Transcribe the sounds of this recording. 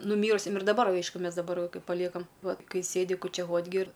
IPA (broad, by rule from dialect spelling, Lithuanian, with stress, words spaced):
nʊˈmʲiːrʊsʲɛm ɪr dɐˈbɐr ˈɐɪʃkʊ ˈmʲɛs dɐˈbɐr ˈkɐɪ pɐˈlʲiɛkɐm ˈʋɐt ˈkɐɪ ˈsʲeːdʲɪ kʊt͡ʃʲɛˈʋoːtʲ ɡʲɪ ɪr